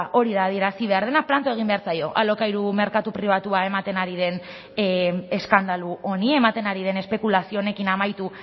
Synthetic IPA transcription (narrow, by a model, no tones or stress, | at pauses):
ʔo̞ɾiðað̞ieɾasiβ̞e̞aɾð̞e̞nak̚plant̪oe̞ɣ̞imbe̞aɾsajo̞̰ʔa̰lo̞kajɾume̞ɾkat̪upɾiβ̞at̪uae̞mat̪e̞naɾiðe̞n | e̞skand̪aluʔo̞nie̞mat̪e̞naɾiðe̞ne̞spe̞kulasio̞ne̞kinamajt̪u